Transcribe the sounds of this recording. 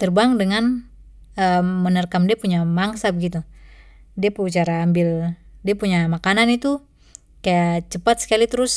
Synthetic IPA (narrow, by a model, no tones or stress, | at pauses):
t̪ərbaŋdəŋan | əmənərkamdiapuɲamaŋsabəɡit̪u | diapt͡ʃaɾaːmbɪldiapuɲamakananit̪u | kajat͡ʃəpat̪̚sə̥kalit̪əɾʊs